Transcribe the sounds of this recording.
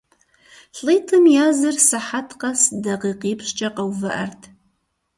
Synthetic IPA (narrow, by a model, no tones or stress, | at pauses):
ɬʼɨtʰɨmjaːzɨrsaħatʰqʼasdaqiqiːpʰʂt͡ʃʼɐqʼɐwvɨʔɐ̰rtʰ